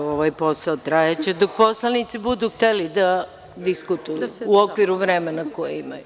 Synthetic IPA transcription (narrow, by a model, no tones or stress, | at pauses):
oʋajpo̞saot̪ɾajat͡ɕe̞d̪ok̚po̞slanit̪sibud̪uxt̪elid̪a | d̪iskut̪ujuuokʋiɾuʋɾemenakojeimaju